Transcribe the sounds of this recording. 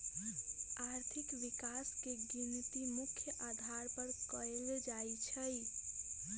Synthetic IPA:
aɾt̪ʰikʋikaskeɡint̪imukʰjəʔad̪ʱaɾpəɾkəeld͡ʒajt͡ʃʰəj

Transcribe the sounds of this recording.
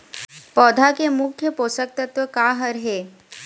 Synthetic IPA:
pɔːd̪ʱakemʊkʰjəpoːsək̚t̪ət̪ʋəkaːɦəɾɦeː

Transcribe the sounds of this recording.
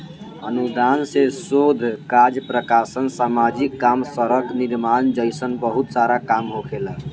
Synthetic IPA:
ənud̪ansesod̪ʱkad͡ʒəpɾəkasənsamad͡ʒikːamsəɾəkniɾmand͡ʒəjsənbəɦut̪saɾakamɦokʰelə

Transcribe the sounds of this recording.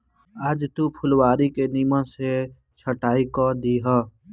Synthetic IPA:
əd͡ʒt̪upʰʊlwaːɾikeniːmə̃se | t͡ʃʰəʈaːikɔd̪iɦəː

